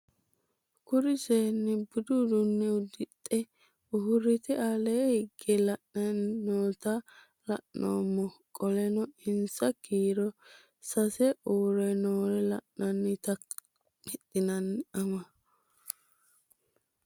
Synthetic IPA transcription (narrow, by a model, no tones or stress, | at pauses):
kʊɾɪseːnːɪbʊd̪ud̪ʊnːɛʊd̪ɪt̪ʼːɛ | ʊɦʊɾːɪt̪ɪaleːhɪɡːɛlɐʔnɐnːoːt̪ɐ | lɐ̰ʔno̰ːmːɔkʼɔlɛnɔɪnsɐkiːɾɔ | sɐsɛʔuːɾɛnoːɾɛlɐʔnɐnːɪt̪ɐ | ɪt̪ːɪnɐnːɐmɐ